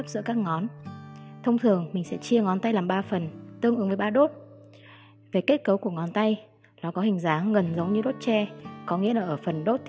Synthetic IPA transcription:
k̚zɨ̰˧˥əkaː˦˥k̚ŋɔ˨˦n | t̪ʰə˧wŋ͡mt̪ʰɨ˨˩əŋmï˨˩ŋ̟sɛ̰˧˥t͡ɕi˧əŋɔ˨˦nt̪a˧jlaː˨˩mɓaː˧fə˨˩nt̪ɨ˧əŋɨ˨˦ŋvəː˨˦jɓaː˧ɗo˦˥t̚ | ve˨˩ke˦˥t̚kə˨˦wku˧˩əŋɔ˨˦nt̪a˧j | ɗɔ˨˦kɔ˨˦hï˨˩ŋ̟zaː˨˦ŋɣə˨˩nzə˨˦wŋ͡mɲɨ˧ɗo˦˥t̚t͡ɕɛ˧kɔ˨˦ŋḭ˧˥əlaː˨˩ʔəː˧˩fə˨˩nɗo˦˥t̚t̪ʰ

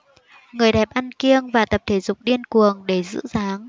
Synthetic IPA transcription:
ŋɨ˨˩əjɗɛ˨˩p̚ʔa˧nki˧əŋvaː˨˩t̪ə˨˩p̚t̪ʰe˨˩˦zʊ˨˩k͡p̚ɗi˧ənku˨˩əŋɗe˧˩zɨ̰˧˥zaː˨˦ŋ

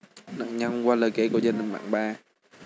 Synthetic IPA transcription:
na̰ː˧˨ŋɲa˧ŋ˧kwaː˧ləː˨˩ke˧˦ku˧˩˦zaː˧ni˨˩ŋɓa̰ː˧˨ŋɓaː˧˩

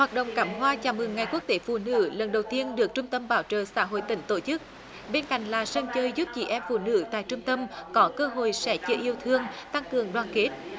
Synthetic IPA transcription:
hwaː˨˩t̚ɗo̰˧˨wŋ͡mkaː˧˩mɦwaː˧t͡ɕaː˧˩mɨ˨˩ŋːa˨˩jku˦˥ək̚t̪e˨˦fṵ˧˩˨nɨ̰˧˥lə˨˩nɗə˨˩wt̪i˧ənɗɨ˨˩ək̚t͡ɕʊ˧ŋ͡mt̪ə˧mɓaː˧˨˦wt͡ɕə̰ː˨saː˧˥ɦo̰˧˨jt̪ï˧˩ŋ̟t̪o˧˩t͡ɕɨ˦˥k̚ | ɓe˧nka̰˧˨jŋ̟laː˨˩sə˧nt͡ɕəː˧jzu˦˥p̚t͡ɕḭ˧˩ʔɛ˧mfṵ˧˨nɨ̰˧˥t̪a̰ː˧˨jt͡ɕʊ˧ŋ͡mt̪ə˧mkɔ˨˦kəː˧ɦo̰˧˨jsɛ̰˧˥t͡ɕi˧ʔi˧əwt̪ʰɨ˧əŋt̪a˧ŋkɨ˨˩əŋɗwaː˨˩nke˦˥t̚

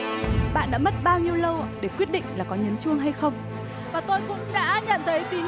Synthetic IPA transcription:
ɓa̰ː˧˨nɗa̰ː˧˥mə˦˥t̚ɓaː˧wɲi˧əwlə˧wɗe˧˩kwi˦˥ət̚ɗḭ̈˧˨ŋ̟laː˨˩kɔ˨˦ɲə˨˦nt͡ɕɨ˧əŋɦa˧jxə˧wŋ͡m | vaː˨˩t̪o˧jkʊ̰˧˥ŋ͡mɗa̰ː˧˥ɲə̰˧˨nt̪ʰə˨˦jt̪i˨˦

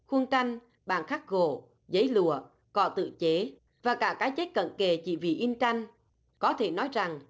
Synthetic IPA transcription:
xwə˧nt͡ɕa˧jŋ̟ | ɓa̰ː˧˨nxaː˦˥k̚ɣo̰˧˨ | zə˨˦jlɨ̰˧˨ə | kɔ˧˩t̪ɨ̰˧˨t͡ɕe˨˦ | vaː˨˩kaː˧˩kaː˨˦jt͡ɕe˦˥t̚kə̰˧˨nke˨˩t͡ɕḭ˧˨vḭ˧˨ʔi˧nt͡ɕa˧jŋ̟ | kɔ˨˦t̪ʰe˧˩nɔ˨˦jza˨˩ŋ

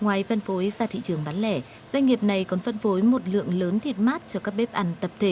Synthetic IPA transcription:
ŋwaː˨˩jfə˧nfo˨˦jzaː˧˩t̪ʰḭ˧˨t͡ɕɨ˨˩əŋɓaː˨˦nlɛ˧˩ | zwa˧jŋ̟ŋi˨˩əp̚na˨˩jkɔ˨˦nfə˧nfo˨˦jmo˨˩t̚lɨ̰˧˨əŋləː˨˦nt̪ʰi˨˩t̚maː˦˥t̚t͡ɕɔ˧kaː˦˥k̚ɓe˦˥p̚ʔa˨˩˦ŋ̟t̪ə˨˩p̚t̪ʰe˧˩

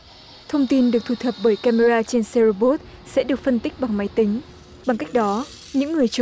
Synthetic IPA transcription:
t̪ʰə˧wŋ͡mt̪i˧nɗɨ˨˩ək̚t̪ʰu˨˩t̪ʰə˨˩p̚ɓəː˧˩jkaː˧me˧ɾaː˧t͡ɕe˧nsɛ˧ɾo˧ɓo˦˥t̚ | sɛ̰˧˥ɗɨ˨˩ək̚fə˧nt̪ï˦˥k̚ɓa˨˩ŋma˨˦jt̪ï˨˦ŋ̟ | ɓa˨˩ŋka˦˥jk̟̚ɗɔ˨˦ | ɲɨ̰˧˥ŋːɨ˨˩əjt͡ɕ

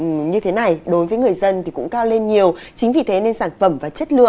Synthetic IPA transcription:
ɲɨ˧t̪ʰe˨˦na˨˩jɗo˨˦jvəː˨˦jŋɨ˨˩əjzə˧nt̪ʰi˨˩kʊ̰˧˥ŋ͡mkaː˧wle˧nɲi˨˩əw | t͡ɕï˨˦ŋ̟vi˨˩t̪ʰe˨˦ne˧nsaː˧˩nfə˧˩mvaː˨˩t͡ɕə˦˥t̚lɨ̰˧ə˨

